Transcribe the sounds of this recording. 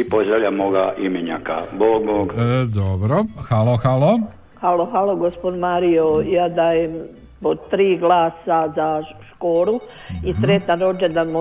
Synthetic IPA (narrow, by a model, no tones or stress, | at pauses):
ipoʒeʎamoːɡaʔimeɲa̰ka̰boːɡmoɡd̪obɾoxaloxalo | haloxaloɡospod̪maːɾijojaːd̪aːjem | pot̪ɾiːɡlaːsazaʃkoːɾu | isɾet̪naɾod͡ʒed̪amo